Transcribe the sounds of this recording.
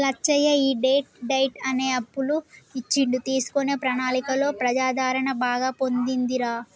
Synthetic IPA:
lɐt͡ʃːɐjɐiːɖeːʈ̚ɖɐjʈɐne̞ːɐpːuluit͡ʃːiɳɖut̪iːsu̥kone̞ːpɾɐnaːlikɐlo̞ːpɾɐd͡ʒaːd̪ʱaːɾɐɳɐbaːɡaːpo̞nd̪ind̪iɾaː

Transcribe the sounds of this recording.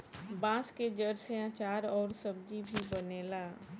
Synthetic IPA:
bãːsked͡ʒəɾseãːt͡ʃaːɾɔːɾsəb̚d͡ʒibʱibəneːlaː

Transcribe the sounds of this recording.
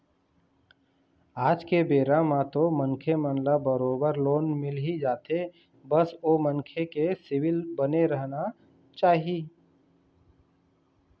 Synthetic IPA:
aːd͡ʒkebeːɾamãt̪omənkʰemənlabəɾoːbəɾloːnmɪlɦid͡ʒaːt̪e | bəsoːmənkʰekesɪwɪlbəneɾəɦna | t͡ʃaːɦiiː

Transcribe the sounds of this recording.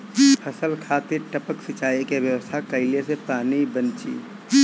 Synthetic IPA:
hʰɐsəlkʰaːt̪iɾʈəpəksɪt͡ʃaːikeʋjəwəst̪ʰakəɪlesepaːnibənt͡ʃḭː

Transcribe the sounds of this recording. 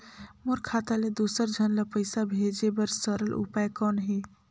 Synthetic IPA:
moɾkʰat̪aled̪usəɾd͡ʒʱənlapəɪsabʱed͡ʒebəɾsəɾəlʔṵpajkɔːnɦe

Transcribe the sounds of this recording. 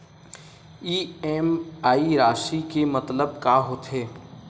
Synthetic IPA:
iːɛːmaːiɾaːʃikemɐt̪ləb̚kaːɦoːt̪ɦeː

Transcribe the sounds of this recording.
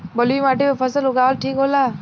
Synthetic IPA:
bəlimaːʈemepʰəsəlɦʊɡaːəlʈʰiːkɦolaː

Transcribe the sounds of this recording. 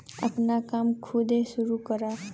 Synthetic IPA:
ə̰pnakaːmkʰʊd̪ʱesʊɾukəɾa

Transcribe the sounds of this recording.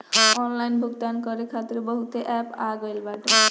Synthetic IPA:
ɔnlajnbʱukt̪ankɔɾekʰat̪ːɾobɔɦut̪eʔɛpaɡojlbaʈo

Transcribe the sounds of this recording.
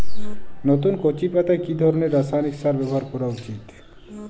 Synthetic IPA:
not̪unkot͡ɕipat̪aekid̪ʱɔɾoneɾːasajniksaɾbɛbɔɦaɾkɔɾaut͡ɕit̪

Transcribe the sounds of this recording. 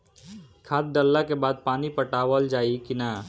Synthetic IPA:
kʰaːt̪̚d̪əlːakebaːd̪̚paːnipəʈaːwəld͡ʒaːikɪnaː

